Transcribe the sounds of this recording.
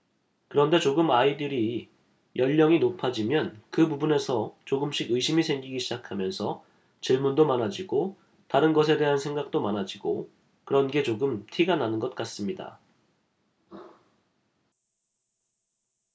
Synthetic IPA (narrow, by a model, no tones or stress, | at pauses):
kɯɾʌnde̞t͡ɕoɡɯmaidɯɾi | jʌʎːʌŋinopʰad͡ʑimjʌnkɯbubune̞sʰʌt͡ɕoɡɯmɕ͈ʰiɡɯiɕʰimisʰe̞ŋɡiɡiɕʰid͡ʑakʰamjʌnsʰʌ | t͡ɕiɭmundomanad͡ʑiɡo | taɾɯnɡʌs̬ʰe̞de̞ɦansʰe̞ŋɡak̚t͈omanad͡ʑiɡo̰ | kɯɾʌnɡe̞t͡ɕoɡɯmtʰiɡananɯnɡʌt̚k͈as͈ɯmɲida̰